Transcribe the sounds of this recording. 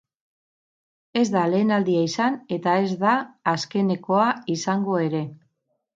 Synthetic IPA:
e̞zd̪ale̞ːnald̪iaisane̞t̪ae̞zd̪aːske̞ne̞ko̞aisaŋɡo̞e̞ɾe̞

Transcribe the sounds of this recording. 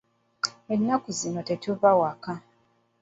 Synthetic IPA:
enːakuzinotetoβawaka

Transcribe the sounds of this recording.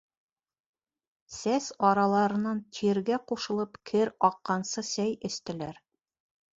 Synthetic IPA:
sæsɒɾɑlˠɑɾɤ̆nɑnt̪ʰiɾɡæquʃɤ̆lˠɤpkʰɘɾɒqːɑnsɤsæjɘ̆st̪ɘ̆læɾ

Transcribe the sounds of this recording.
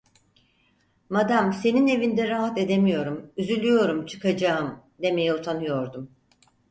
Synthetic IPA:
mad̪amse̞nine̞vind̪ɛɾaɦat̪e̞d̪e̞mijo̞ɾumyzylʲyjo̞ɾumt͡ʃʰɯ̥kad͡ʒaɯmd̪e̞me̞jiut̪ʰanɯjo̞ɾd̪um

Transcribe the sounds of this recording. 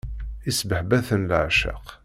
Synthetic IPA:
isbəħbæθənlʕʃə̰q

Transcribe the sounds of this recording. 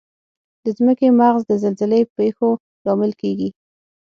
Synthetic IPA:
d̪̥əzməkemaɣzd̪əzalzəlepexo | lɑmɪlkeɡi

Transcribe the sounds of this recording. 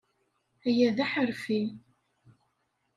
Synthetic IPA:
æjæðæħəɾfi

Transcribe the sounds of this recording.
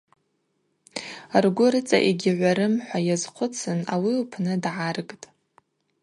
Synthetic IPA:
arɡʷʊɾɨt͡sʼa̰ʔeɡʲɪʕʷaɾɨmħʷajazqʷʰʊt͡sʰɨnawiupʰnɨdʕarɡʼtʼ

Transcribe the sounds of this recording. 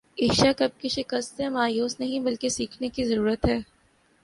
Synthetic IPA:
ɪʃakɐb̚kiʃɪkəst̪ɦɛ̃maːjuːsnɐɦĩbɐlkesiːkʰnekizɐɾuːɾət̪ɦɛː

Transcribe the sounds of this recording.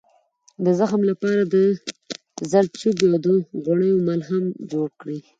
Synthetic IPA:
d̪əzaxmlapɑɾad̪ə | zaɾt͡ʃubjod̪oɣoɳəjomalɦamd͡ʒoɽkɽi

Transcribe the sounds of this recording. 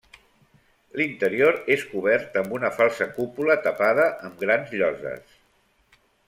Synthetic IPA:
lint̪əɾioɾeskuβ̞ɛɾt̪əmbunəfalˠsəkupulət̪əpað̞əʔəmɡɾanzʎɔzə̰s

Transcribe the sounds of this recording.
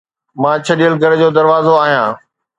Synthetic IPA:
mãːt͡ɕʰɐɗijəlɡʱɐɾd͡ʑoːd̪ɐɾʋaːzoaːɦijãː

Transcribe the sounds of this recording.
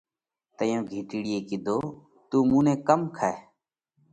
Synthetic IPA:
t̪əjõːɡʱiːʈiːɽɪjeːkɪd̪ʱoː | t̪uːmũːnẽːkəmkʰae

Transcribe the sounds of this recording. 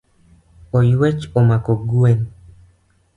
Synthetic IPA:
ojwet͡ʃomakoɡuen

